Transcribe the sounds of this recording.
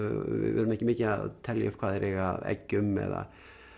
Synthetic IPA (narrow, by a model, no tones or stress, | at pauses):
ɪ̰vɛːɾʏmɛhcːɪmɪːcɪa̰t̪ʰɛljʏpkʰvaːðɛɾʔɛɣaɛ̰cːʏmɛ̰ða̰